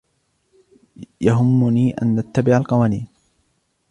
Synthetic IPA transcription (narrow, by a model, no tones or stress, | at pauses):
jaɦʊmːʊniːʔa̰nʔat̪ːabɪʕalqɑwaːniːn